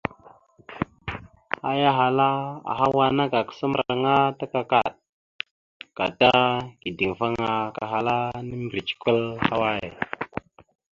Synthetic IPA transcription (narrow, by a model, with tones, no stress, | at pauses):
a˦ja˦ɦa˨la˦a̰˨ɦa˦wa˦na˦ɡa˨kə̥˨sə˦m˦˨ɾa̰˨ɾŋa˦ta˦ka˦ka̰˨ɗ̚ | ka̰˨ta˦ɡi˨di˨ŋfa˦ŋa˨ka˨ɦa˨la˦nə˦m˨ɾi˨t͡ʃi̥˨kə˦lha˦wa˦jḛ˨